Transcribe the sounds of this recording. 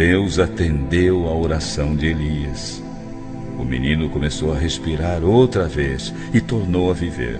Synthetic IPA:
ewzat̪ẽnd̪ewɐoɾasɐ̃w̃d͡ʒɪeliɐs | ʊ̰mḭnĩnʊkomesowɐɦespiɾaɾowt̪ɾɐves | ɪt̪oɾnowɐvivḛɾ

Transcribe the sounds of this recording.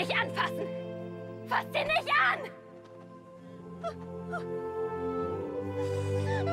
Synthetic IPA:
ɪçtʔanfasn̩ | fastd̥iːɐnɪçtʔan

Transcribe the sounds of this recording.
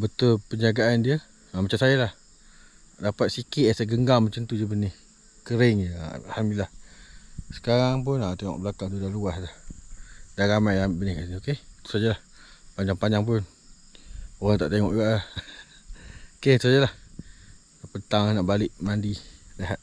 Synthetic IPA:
bət̪ʊlpəɲd͡ʒaɡaʔːndiə | amat͡ʃamsajalah | dapat̪̚sikɪʔ̪asaɡəŋɡalmat͡ʃant̪udiəbənɪh | kəɾɪŋəa̰lhambiilːah | sə̥kaɾaŋp̬ʊnat̪eŋɔ̰ʔbəlakaŋd̪udaluaslah | danɾamajabənɪhkaʔsinioket̪u̥sad͡ʒəlah | paɲd͡ʒaŋpaɲd͡ʒaŋp̬ʊn | oɣaŋt̪a̰ʔt̪eŋɔ̰ʔuɡaʔa | oket̪usad͡ʒalah | pənt̪aŋanaʔbalɪʔmandileɦat̪̚

